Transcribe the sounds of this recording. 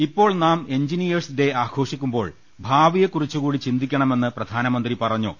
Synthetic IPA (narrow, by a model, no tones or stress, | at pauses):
ipːoːɭnaːmeɲd͡ʑinijɐrsid̪e̞aːkʰo̞ːʂikʲːumbo̞ːɭ | bʱaːʋijekːurit͡ɕːukuːɽit͡ɕind̪ikʲːɐɳɐme̞nːɨprɐd̪ʱaːnɐmɐnd̪ripɐrɐɲːṵ